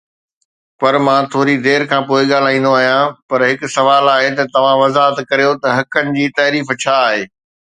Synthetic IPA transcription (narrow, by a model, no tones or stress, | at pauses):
pɐɾmãːt̪ʰoːɾid̪eːɾkʰãːpoːɪɠaːl̤aːĩːn̆d̪oaːɦijãpɐɾɦɪkʊ̆sɐʋaːlaːɦet̪ɐt̪ɐʋ̤ãʋɐzaːɦət̪kɐɾijot̪ɐɦɐkənɪ̆d͡ʑiːt̪ɐːɾiːft͡ɕʰaːɦeː